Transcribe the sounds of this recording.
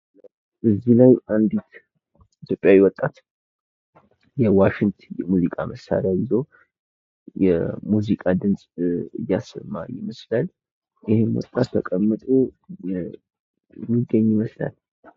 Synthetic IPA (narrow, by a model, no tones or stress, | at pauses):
ʔɨzːilajand̪it̪ | it̪ʰjopʼjawiwɔt̪ʼːat̪ | jɛwaʃɪŋt̪ʰnjɛmuzikʼa̰məsːa̰ɾjajɪzo̞ | jɛmuzikʼad̪ɨnsʼɨjːasːə̰mːajɪməslal | jɪhɪmwɔ̰t̪ʼːat̪ʰːəkʼəmːɨt̪ʼo | miɡːəɲːɪməsla̰l